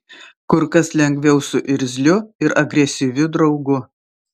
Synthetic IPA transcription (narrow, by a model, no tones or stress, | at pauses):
kʊɾkɐslʲɛŋʲɡʲʋʲɛʊsʊʔɪɾʲzʲlʲʊɪɾɐɡɾʲɛsʲɪʋʲʊd̪ɾɒʊɡʊ